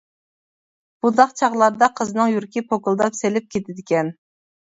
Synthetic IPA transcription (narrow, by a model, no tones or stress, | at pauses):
b̥ud̪ɑqt͡ʃʰɑʁlˠɑɾd̪ɑqʰəzɨnɨŋjyɾkʲipʰokulˠd̪ɑpselɪp̚kʲʰet̪ʰɪd̪ɪkʲɛn